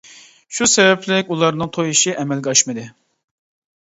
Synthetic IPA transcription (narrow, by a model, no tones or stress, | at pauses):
ʃusɛvɛpʰlɪkʲulˠɑɾnɨŋt̪ʰojiʃiʔɛmɛlɡʲɑʃmɨd̪ɨ